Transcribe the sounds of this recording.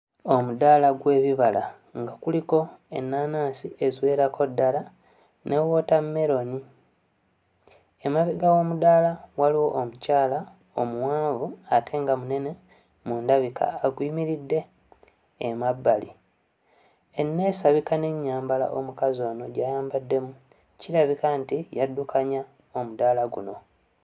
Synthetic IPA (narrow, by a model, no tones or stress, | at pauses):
o̞mudalaɡwe̞ːβiβala̰ | ŋɡakuliko̞ḛnːaːnaːsiʔe̞zwe̞ːɾako̞dːala | nʔe̞wo̞ːtamːe̞ɾo̞ni | emaβiɡawo̞mudalawaliwo̞ʔːmucaːla | omuwaːvuatʰe̞ŋɡamune̞ne̞ | muːndaβikʰa̰ːɡwiːmiɾidːe̞ː | mabːalḭ | enːe̞ːsaβikane̞ɲːaːmbala̰ʔomukazo̞ːno̞ɟajaːmbadːe̞mu | ciɾaβikantijadːukʰaɲa | o̞mudalaɡṵno̞